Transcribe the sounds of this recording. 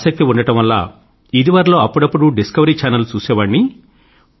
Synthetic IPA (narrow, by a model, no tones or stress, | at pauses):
sɐk̚t̪iuɳɖɐʈɐmʋɐlːa̰ː | id̪iʋaːɾɐlo̞ːɐpːuɽɐpːuɽuɖiskɐʋɐɾiːt͡ʃaːnɐlut͡ʃuːsɛːʋɐːɳːi